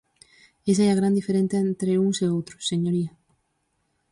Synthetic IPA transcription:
esaeaɣɾand̪ifeɾenθaent̪ɾeuŋseowt̪ɾosːe̞ɲoɾia

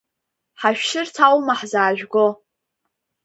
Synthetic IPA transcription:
ħaʃᶣʃɪrtʰawmaħzaːʒᶣɡo

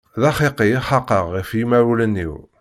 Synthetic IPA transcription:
ðɑχiqijiχɑqəʁːifjimæwlənːḭw

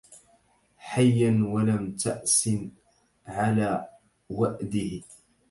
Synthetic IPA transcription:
ħajːanwalamt̪aʔsɪn | ʕalaː | waʔd̪ɪh

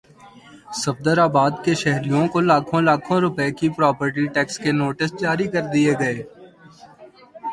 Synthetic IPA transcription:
sɐb̚d̪əɾaːbaːd̪keʃɛɦɾijõkolaːkʰõlaːkʰõɾʊpɛekipɾɔːpəɾʈiʈɛːkskenoːʈɪsd͡ʒaːɾikɐɾd̪ieɡɐeː

